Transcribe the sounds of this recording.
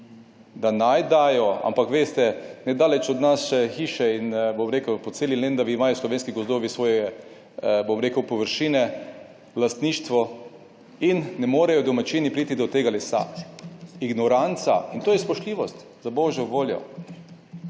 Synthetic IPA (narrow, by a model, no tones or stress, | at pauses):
d̪anajd̪aːjɔa̰mpakʋeːst̪ɛnɛd̪aːlɛt͡ʃɔd̪nasʃɛxiːʃɛinbomɾeːkəwpɔseːlilend̪aʋiːmaːjɔslɔʋeːnskiɡɔzd̪oːʋisʋɔːjɛɛ | bomɾeːkəwpɔʋəɾʃiːnɛ | last̪niːʃt̪ʋɔ | inːɛmoːɾɛjɔd̪ɔmat͡ʃinipɾiːt̪id̪ɔt̪eːɡalɛsa̰ | iɡnɔɾant̪saint̪oːjɛspɔʃt̪liːʋɔst̪ | zabɔːʒjɔʋoːljɔ̰